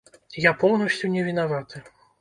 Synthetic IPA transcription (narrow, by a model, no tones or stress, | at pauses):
japɔwnɐsʲt͡sʲunʲɛvʲinavat̪ɨ